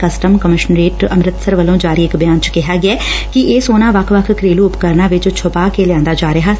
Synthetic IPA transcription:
kəsʈəmkəmɪʃənɾeːʈəmɾɪt̪səɾʋəlõːd͡ʒaːɾiːɪkbjaːnt͡ʃə̥kɪɦaːɡɪaɛːkɪʔeːsoːnãːʋəkʰʋəkʰkɾeːluːʊpkəɾnãːʋɪt͡ʃt͡ʃʰʊpaːkeljãːnd̪aːd͡ʒaːɾəɦaː

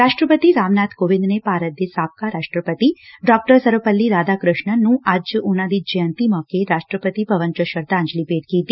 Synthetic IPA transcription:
ɾaːʃʈɾəpət̪iɾaːmnaːt̪koʋɪ̃nd̪nepaːɾət̪̚d̪esaːp̚kaɾaːʂʈɾəpət̪iɖɔk̚ʈəɾsəɾʋəpəlːiɾaːd̪akɾʊʃɳənũʔaːd͡ʒʊnãd̪id͡ʒijə̃nt̪imɔkeɾaːʃʈɾəpət̪ipɐʋənt͡ʃəʃəɾt̪aːɲd͡ʒlipeːʈ̚kiːt̪i

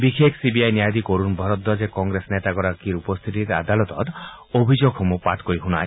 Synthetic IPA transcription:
bikʰekʰɔsibiajnijad̪ikoɾunbʱɔɾɔt̪ːɔd͡ʒekɔŋɡɾesɔnet̪aɡɔɾakiɾupɔst̪ʰit̪iɾa̰d̪alɔt̪ɔt̪ | obʱid͡ʒoɡʱɔmupaʈkojɦuna̰ɾ

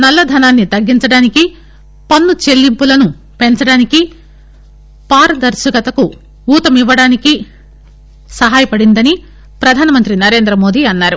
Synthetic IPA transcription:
nɐlːɐd̪ʱɐnaːnːit̪ɐɡːint͡ʃɐɽaːniki | pɐnːut͡ʃe̞lːimpulɐnu | pe̞nt͡ʃɐɽaːniki | paːɾɐd̪ɐɾsɐɡɐt̪ɐku | uːt̪ɐmiʋːɐɽaːniki | sɐɦaːjɐpɐɽind̪ɐni | pɾɐd̪ʱaːnɐmɐnt̪ɾinɐɾe̞ːnd̪ɾɐmo̞ːd̪iɐnːaːɾu

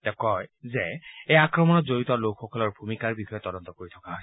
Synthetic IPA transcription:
tɛkɔjzɛejakɹɔmɔnɔtzoɹitɔlokxɔkɔlɔɹbʱumikaɹbixʰɔjɔtːɔdɔnt̪ɔkoɹitʰɔ̥kaɦo

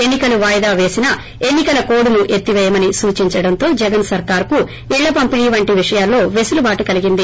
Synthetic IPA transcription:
e̞nːikɐluʋaːjd̪aːʋe̞ːsinɐ | e̞nːikɐlɐko̞ːɽunuʔe̞t̪ːiʋɛːjɐmɐnisuːt͡ʃiɲt͡ʃɐɽɐnt̪o̞ːd͡ʒɛɡɐnsɐɾkaːɾku | iɭːɐpɐmpiniːʋɐɳʈiʋiʂɐjaːlːo̞ːʋesulubaːʈukɐliɡind̪i

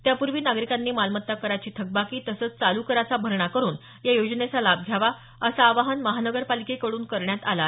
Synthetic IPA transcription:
t̪japuɾʋiːnaɡɾikanːiːmalmət̪ːakəɾat͡ɕiːt̪ʰək̚bakiːt̪əsət͡st͡salukəɾat͡sabʱəɾɳakəɾuːn | jajod͡ʑnet͡salab̚ɡʱjaʋa | əsaːʋaɦənməɦanəɡəɾpalikekəɽuːnkəɾɳjat̪ala

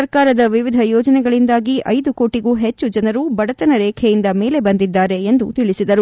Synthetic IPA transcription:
ɐɾkaːɾɐd̪ɐʋiʋid̪ʱɐjɔːd͡ʒɐnɛɡɐɭind̪aːɡiɐjd̪uko̞ːʈiɡuːɦet͡ʃːud͡ʒɐnɐɾubɐɽɐt̪ɐnɐɾɛːkʰejind̪ɐme̞ːle̞bɐnd̪id̪ːaːɾe̞ːnd̪ut̪iɭisid̪ɐɾu

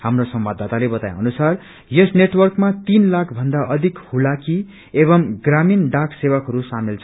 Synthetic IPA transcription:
hamrosʌmbad̪ʱːat̪alebʌt̪aj̃ʌnusar | jesneʈwʌrkmat̪inlakʰbʱʌnd̪aʔʌd̪ʱikhulaki | ebʌmɡraminɖakʰsewakɦʌɾusamilt͡sʰ

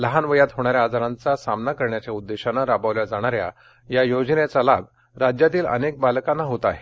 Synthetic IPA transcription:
ləɦanʋəjat̪ɦoɽ̃aɾjaːd͡zaɾant͡sasamnakəɾɳjat͡ɕjaud̪ːeɕanaɾapaʋljad͡zaɽ̃aɾja̰ | jajod͡ʑnet͡salab | ɾad͡ʑjat̪iːlə̰nek̚balkanːaɦot̪aɦe

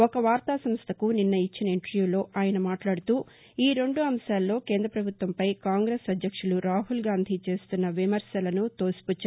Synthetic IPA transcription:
ɔkɐʋaːɾt̪aːsɐmst̪ʰɐkuninːɐit͡ʃːinɐiɳʈɐɾjuːlo̞ːʔaːjɐnɐmaːʈlaːɽut̪uː | iːɾe̞ɳɖuɐmʃaːlːo̞ːke̞ːnd̪ɾɐpɾɐbʱut̪ʋɐmpɐjkaːŋɡɾeːsɐd̪ʱjɐkʂuluɾaːɦulɡaːnd̪ʱit͡ʃe̞ːst̪unːɐʋimɐɾsɐlɐnut̪o̞ːsi̥put͡ʃː

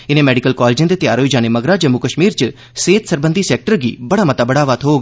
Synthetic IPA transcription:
ɪnẽːmɛːɖɪkəlkɔːleːd͡ʒɪ̃nd̪eːt̪ɪjaːɾɦoid͡ʒaːneməɡɾaːd͡ʒəmukəʃmiːɾt͡ʃə | seːt̪səɾbənd̪iːsɛːk̚ʈəɾɡḭːbəɽaːmət̪aːbəɽaːʋət̪ʰɦoːɡ

